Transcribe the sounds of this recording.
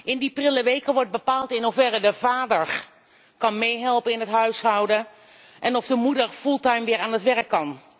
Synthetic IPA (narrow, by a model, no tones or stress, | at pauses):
ʔɪndiprɪləʋejkəʋɔɹt̚bəpaːlˠtɪnɦufɛrədəvaːdəɹ | kɑnmejɦɛlˠpənɪnɦətɦœɥsɦʌwdə | ʔɛnɔvdəmudəɹfulˠtajmʋɪːɹaːnətʋɛɹəkːɑn